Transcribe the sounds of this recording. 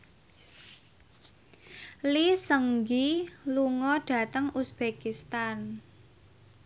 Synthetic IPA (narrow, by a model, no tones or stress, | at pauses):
lisəŋɡiluŋɔɖ̥ä̤t̪əŋusb̥ekist̪an